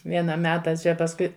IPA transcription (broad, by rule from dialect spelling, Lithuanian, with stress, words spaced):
ˈʋʲiɛnɐ ˈmʲæːtɐ ˈt͡ʃʲɛ pɐsˈkʊɪ